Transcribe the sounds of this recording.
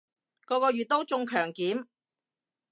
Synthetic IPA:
kɔː˧kɔː˧ɥyː˨t̚t̪ːo˥wt͡sʊ˧ŋkʰœː˨˩ŋkiː˨˥m

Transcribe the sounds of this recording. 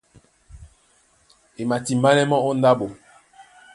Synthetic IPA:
e˨ma˨ti˨mba˦nɛ˦mɔ˦o˦nda˦bo˨

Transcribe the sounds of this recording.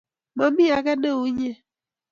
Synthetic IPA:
ma˦mi˦a˨ɡɛ˦ne˦˨u˦ɲe˦

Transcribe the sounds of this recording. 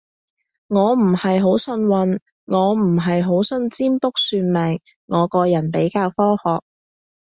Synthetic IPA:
ŋɔː˨˧m̩˨˩hɐ˨jɦo˨˥wsɵ˧nwɐ˧n | ŋɔː˨˧m̩˨˩ɦɐ˨jɦo˨˥wsɵ˧nt͡siː˥mpʊ˥k̚syː˧nmɛː˨˩ŋː | ɔː˨˧kɔː˧jɐ˨˩npe˨˥jkaː˧wfɔː˥hɔː˨k̚

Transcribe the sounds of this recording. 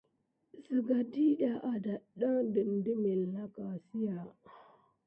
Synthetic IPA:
sə˨ɡa˨di˦ɗa˨ʔa˨da˨ɗa˦ŋdə˨ndə˦me˨lːa˦ka˨si˦ja˨

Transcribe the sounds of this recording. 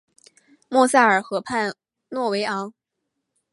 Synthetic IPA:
mwɔ˥˧sa˥˩ə˞˨˩xɤ˧˥pʰa˥˧n | nwɔ˥˩we˧˥ɪɑ˧˥ŋ

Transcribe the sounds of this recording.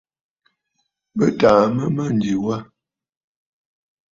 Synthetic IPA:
bə˦taː˨mə˦mə˦n̩˨d͡ʒi˨wa˦

